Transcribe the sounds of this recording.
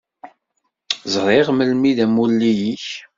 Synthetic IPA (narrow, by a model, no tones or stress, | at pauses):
zˤɾˤɪʁməlmiðæmulːijiç